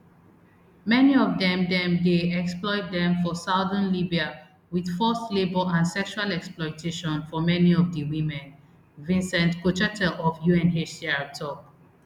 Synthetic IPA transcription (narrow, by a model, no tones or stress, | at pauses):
mɛniɔvdɛ̃mdɛ̃mdeɛksplɔɪt̚dɛ̃mfɔsaʊdə̃nlibia | wid̥fɔslebəlãnsɛkʃualɛksplɔɪtʰeʃɔ̃nfɔmɛniɔvdəwĩmɛ̃n | vĩnsɛ̃ntkot͡ʃɛtɛlɔfjuɛ̃nɦesaɹtʰɔk